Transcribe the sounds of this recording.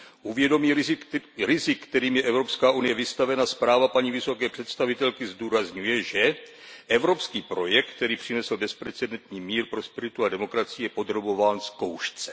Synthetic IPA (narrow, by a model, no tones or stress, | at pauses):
ʔuvjɛdo̞miːɾɪzɪkːt̪ɛɾiːmjɛʔɛvɾo̞pskaːʔunɪjɛvɪst̪avɛnaspɾaːvapaɲivɪso̞kɛːpr̝̥ɛt̪st̪avɪt̪ɛlkɪzduːɾazɲujɛʒɛʔɛvɾo̞pskiːpɾo̞jɛkt̪t̪ɛɾiːpr̝̥ɪnɛsl̩bɛspɾɛt͡sɛdɛnt̪ɲiːmiːɾpɾo̞spɛɾɪt̪uadɛmo̞kɾat͡sɪjɛpo̞d̪ɾo̞bo̞vaːnsko̞wʃt͡sɛ